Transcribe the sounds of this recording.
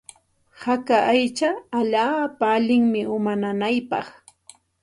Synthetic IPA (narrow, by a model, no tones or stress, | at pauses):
hakaʔajt͡ʃaːʎaːpaːʎɪŋmɪʊmananajpɑ̰χ